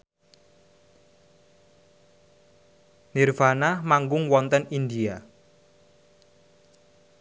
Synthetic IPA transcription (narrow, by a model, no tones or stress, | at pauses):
nirfanamaŋɡʊŋwɔnt̪ənind̪ia